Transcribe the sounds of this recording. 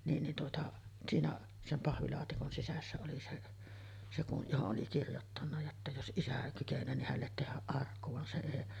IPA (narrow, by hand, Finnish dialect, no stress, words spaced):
niːn nin tuotɑ siːnæ sem pɑhʋilɑːtikon sisæsːæ oli seʔ se kuʔ johoʔ ʔoli kirjotːɑnːɑ jotːɑ jos ʔisæ kykenˑøː nih hælːet tehæʔ ʔɑrkːu ʋɑn se eˑi